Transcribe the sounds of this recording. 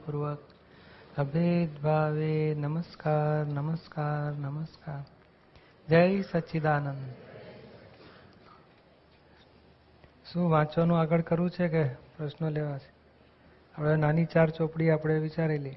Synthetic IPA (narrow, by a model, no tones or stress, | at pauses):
puɾʋək̚ | əbʱed̪bʱaʋenəməskaɾnəməskaɾnəməskaːɾ | d͡ʒəjsəʃid̪aːnənd̪ | ʃũːʋãt͡ʃonũaɡəɭkəɾũt͡ʃʰekepɾəʃnoleʋat͡ʃʰe̥ | apɽenanit͡ʃaɾt͡ʃopɽiapɽ̃eʋit͡ʃaɾelje